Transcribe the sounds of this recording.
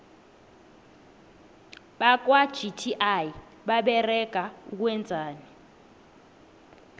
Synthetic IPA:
ɓak̬wad̥ʒ̥itʰiʔaji | ɓaɓɛrɛɡ̥ʱauk̬wɛnd͡zʱaːni

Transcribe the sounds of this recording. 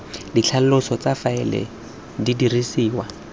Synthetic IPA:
dit͡ɬʰal̩lʊsɔt͡safaɪlɛ̰ | didirisiːwa

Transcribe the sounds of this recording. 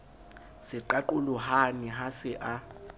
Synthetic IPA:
sɪǃaǃulʊhaniɦasɪʔa

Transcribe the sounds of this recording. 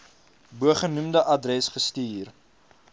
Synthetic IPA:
buəχənumdəʔɐdrɛsχəstiːr

